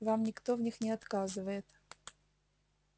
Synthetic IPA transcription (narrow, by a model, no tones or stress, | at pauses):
vamnʲɪkt̪ovnʲixnʲɪɐt̪kazɨvəjɪt̪